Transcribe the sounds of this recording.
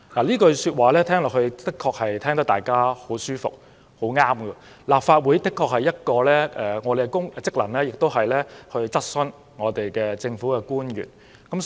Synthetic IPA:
laː˨˩liː˥kɵ˧syː˧t̚waː˨lɛː˥t̪ʰɛː˥ŋlɔː˨˩hɵ˧ɥt̪ɪ˥kʰːɔː˧k̚hɐ˨jt̪ʰɛː˥ŋt̪ɐ˥t̪aː˨˩jkaː˥ho˨˥wsyː˥fʊ̰˨k̚ | ho˨˥wŋaː˥mkəː˧ | laː˨p̚faː˧t̚wuː˨˥jt̪ɪ˥kʰːɔː˧k̚hɐ˨jɐ˥t̚kɔː˧lɛː˥ʔɛː˨ŋɔː˨˧te˨˩˥kʊ˥ŋ˧t͡sɪ˥k̚lɐ˨˩nlɛː˥jɪ˨k̚t̪o˥wɦɐ˨jlɛː˥hɵ˧ɥt͡sɐ˥t̚sɵ˧n | ŋɔː˨˧t̪e˨jkɛː˧t͡sɪ˧ŋfu˨˥kɛː˧kuː˥njy̰ː˨˩n | kɐ˨˥m

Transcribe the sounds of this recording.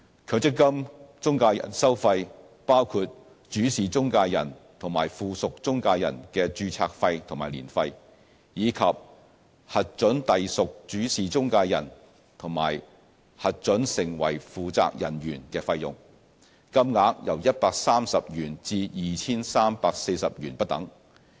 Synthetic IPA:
kʰɵː˨˧t͡sɪ˥kːɐ˥mt͡sʊ˥ŋkaː˧jɐ̰˨˩nsɐ˥wfɐ˧j | paː˥wkʰuː˧t̚ | t͡ʃyː˨˥siː˨˩t͡sʊ˥ŋkaː˧jɐ̰˨˩nt̪ʰʊ˨˩ŋma̰ː˨˩jfuː˨sʊ˨k̚t͡sʊ˥ŋkaː˧jɐ̰˨˩nkɛː˧t͡ʃyː˧t͡sʰaː˧k̚fɐ˧jt̪ʰʊ˨˩ŋmaː˨˩jlḭː˨˩nfɐ˧j | jiː˨˧kʰɐ˨p̚ | hɐ˨t̚t͡ʃɵ˨˥nt̪ɐ˨jsʊ˨k̚t͡ʃyː˨˥siː˨˩t͡sʊ˥ŋkaː˧jɐ̰˨˩n | t̪ʰʊ˨˩ŋma̰ː˨˩j | hɐ˨t̚t͡ʃɵ˨˥nsɪ˨˩ŋwɐ̰˨˩jfuː˨t͡sa̰ː˧k̚jɐ̰˨˩njyː˨˩nkɛː˧fɐ˧jʊ̰˨ŋ | kɐ˥mŋaː˨˥k̚jɐ˨˩wjɐ˥t̚paː˧k̚saː˥msɐ˨p̚jyː˨˩nt͡siː˧jiː˨t͡sʰiː˥nsaː˥mpaː˧k̚se˧jsɐ˨p̚jyː˨˩npɐ˥t̚t̪ɐ̰˨˥ŋ

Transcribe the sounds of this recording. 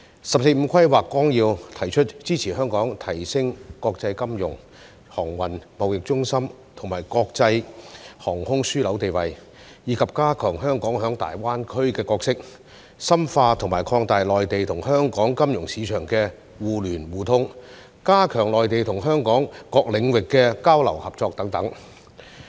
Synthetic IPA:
sɐ˨p̚s̬e˧jm̩˨˧˥kʰɐ˥jwaː˨kːwɔː˥ŋjiː˧wt̪ʰɐ˨˩jt͡ʃʰɵ˥t̚t͡siː˥t͡sʰiː˨˩hœː˥ŋkɔː˨˥ŋt̪ʰɐ˨˩jsɪ˥ŋkɔː˧k̚t͡sɐ˧jkɐ˥mjʊ̰˨˩ŋ | hɔː˨˩ŋwɐ˨nmɐ˨wjɪ˨k̚t͡ʃʊ˥ŋsɐ˥m | t̪ʰʊ˨˩ŋmaː˨˩jkɔː˧k̚t͡sɐ˧jhɔː˨˩ŋhʊ˥ŋsyː˥lɐ˨˥wt̪e˨jwɐ˨j | jiː˨˧kʰɐ˨p̚kaː˥kʰœː˨˩ŋɦœː˥ŋkɔː˨˥ŋɦœː˨˥ŋt̪a̰ː˨jwaː˥nkʰɵ˥ɥkɛː˧kɔː˧ksɪ˥k̚ | sɐ˥mfaː˧t̪ʰʊ˨˩ŋmaː˨˩jkʰɔː˧ŋt̪aː˨jlɔː˨jt̪e˨jt̪ʰʊ˨˩ŋɦœː˥ŋkɔː˨˥ŋkɐ˥mjʊ˨˩ŋsiː˨˧t͡ʃʰœː˨˩ŋkɛː˧ | wuː˨lyː˨˩nwuː˨t̪ʰʊ˥ŋ | kaː˥kʰœː˨˩ŋlɔː˨jt̪e˨˩jt̪ʰʊ˨˩ŋɦœː˥ŋkɔː˨˥ŋkɔː˧k̚lɪ˨˧ŋwɪ˨kːɛː˧kaː˥wlɐ˨˩whɐ˨p̚t͡sɔː˧k̚t̪ɐ˨˥ŋt̪ɐ˨˥ŋ

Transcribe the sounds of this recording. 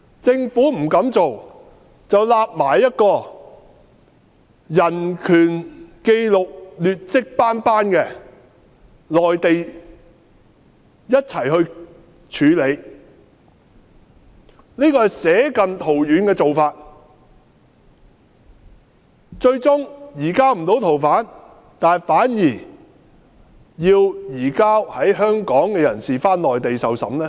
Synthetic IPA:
t͡sɪ˧ŋfuː˨˥m̩˨˩kɐ˨˥mt͡so˨w | t͡sɐ˨wlaː˧p̚maː˨˩jːɐ˥t̚kɔː˧ | jɐ˨˩nkʰyː˨˩nke˧jlʊ˨k̚lyː˨t̚t͡sɪ˥k̚paː˥npaː˥nkɛː˧ | lɔː˨jt̪e˨j | jɐ˥t̚t͡sʰɐ˨˩jɦɵ˧ɥ | t͡ʃʰyː˨˥le˨˧j | niː˥kɔː˧hɐ˨jsɛː˨˥kɐ˨nt̪ʰo˨˩wjyː˨˧nkɛː˧t͡so˨wfaː˧t̚ | t͡ʃɵ˧ɥt͡sʊ˥ŋjiː˨˩kaː˥m̩˨˩t̪o˨˥wt̪ʰo˨˩wfaː˨˥n | t̪aː˨nfaː˨˥njiː˨˩ | jiː˧wjiː˨˩kaː˥whɐ˨˥jɦœː˥ŋkɔː˨˥ŋkɛː˧jɐ˨˩nsiː˨faː˥nlɔː˨jt̪e˨jsɐ˨wsɐ̰˨˥mnɛː˥

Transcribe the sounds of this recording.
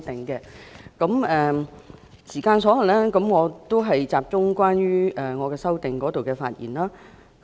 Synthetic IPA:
t̪ɪ˨ŋkɛ˧kɐ˨˥mɛː˨ | siː˨˩kaː˧nsɔː˨˥lɐ˨˩nlɛː˥kɐ˨˥mŋɔː˨˧t̪o˥wɦɐ˨jt͡saː˨p̚t͡sʊ˥ŋkʷaː˥nɥyː˥ʔɛː˨˩ŋɔː˨˧kɛː˧sɐ˥wt̪ɪ˨ŋkɔː˨˥t̪o˨wkɛː˧fa̰ː˧t̚jḭː˨˩nlaː˥

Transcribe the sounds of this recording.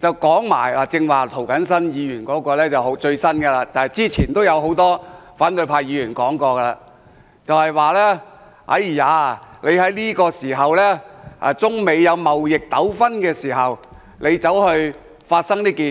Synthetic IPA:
t͡sɐ˨wkɔː˨˥ŋma̰ː˨˩jlaː˨t͡sɪ˧ŋwaː˨˩t̪ʰo˨˩wkɐ˨˥ns̬ɐ˥njiː˨˧jyː˨˩nkɔː˨˥kɔː˧lɛː˥t͡sɐ˨˩wɦo˨˧˥wt͡sɵ˧ɥsɐ˥nɡɛ˧laː˧t̪aː˨nhɐ˨˩jt͡siː˥t͡sʰiː˨˩nt̪o˥wjɐ˨˧wɦo˨˥wt̪ɔː˥faː˨˥nt̪ɵ˧ɥpʰaː˧jjiː˨˧jyː˨˩nkɔː˨˥ŋkɔː˧ɡɛ˧la̰ː˧ | t͡sɐ˨whɐ˨jwaː˨lɛː˥ | a̰˨˧˥jiː˨˩jaː˨˧le˨˧jhɐ˨˥jliː˥kɔː˧siː˨˩ɦɐ˨wlɛː˥a̰˨˧t͡sʊ˥ŋme˨˧jjɐ˨˧wmɐ˨wjɪ˨k̚t̪ɐ˨˥wfɐ˥nkɛː˧siː˨˩ɦɐ˨˩w | le˨˧jt͡sɐ˨˥whɵ˧ɥ | faː˧t̚sɐ˥ŋt̪iː˥kiː˨

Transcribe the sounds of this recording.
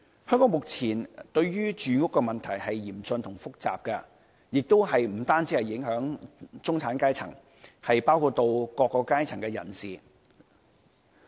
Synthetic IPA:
hœː˥ŋkɔː˨˥ŋmʊ˨k̚t͡sʰiː˨˩nt̪ɵ˧ɥɥyː˥t͡ʃyː˨ŋʊ˥kːɛ˧mɐ˨nt̪ʰɐ˨˩jɦɐ˨jːiː˨˩mt͡sɵ˧nt̪ʰʊ˨˩ŋfʊ˥k̚t͡sa̰ː˨p̚kɐ˧ | jɪ˨k̚t̪o˥wɦɐ˨jm̩˨˩t̪aː˥nt͡si˨˥hɐ˨jɪ˨˥ŋɦœː˨˥ŋt͡sʊ˥ŋt͡sʰaː˨˥nkaː˥jt͡sʰɐ̰˨˩ŋ | hɐ˨jpaː˥wkʰuː˧t̪̚ːo˧wkɔː˧kːɔː˧kːaː˥jt͡sʰɐ˨˩ŋkɛ˧jɐ̰˨˩nsiː˨

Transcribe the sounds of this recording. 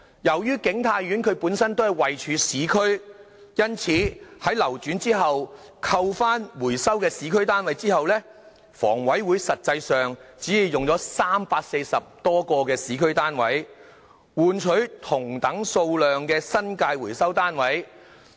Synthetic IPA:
jɐ˨˩wjyː˥kɪ˨˥ŋt̪ʰaː˧jɥy˨˥nkʰɵ˨˧ɥpuː˨˥nsɐ˥nt̪o˥whɐ˨˩jwɐ˨jt͡ʃʰyː˨˧siː˨˥kʰɵ˥ɥ | jɐ˥nt͡sʰiː˨hɐ˨˥jlɐ˨˩wt͡ʃyː˨˥nt͡siː˥ɦɐ˨wkʰɐ˧wfaː˥nwuː˨˩jsɐ˥wkɛː˧siː˨˥kʰɵ˥ɥt̪aː˥nwɐ˨˥jt͡siː˥hɐ˨wlɛː˥ | fɔ̰ː˨˩ŋwɐ˨˥jwuː˨˧jsɐ˨t̚t͡sɐ˧jsœː˨ŋt͡siː˨˥jiː˨˧wjʊ˨ŋt͡ʃɔː˨˥saː˥mpaː˧k̚se˧jsɐ˨p̚t̪ɔː˥kɔː˧kɛː˧siː˨˥kʰɵ˥ɥt̪aː˥nwɐ̰˨˥j | wuː˨nt͡ʃʰɵ˨˥ɥt̪ʰʊ˨˩ŋt̪ɐ˨˥ŋso˧wlœː˨ŋkɛː˧sɐ˥nkaː˧jwuː˨˩jsɐ˥wt̪aː˥nwɐ˨˥j

